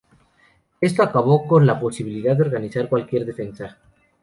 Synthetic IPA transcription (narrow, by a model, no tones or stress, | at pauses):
e̞st̪oakaβ̞o̞ko̞nlapo̞siβ̞iliðaðeo̞ɾɣaniθaɾkwalkje̞ɾðe̞fe̞nsa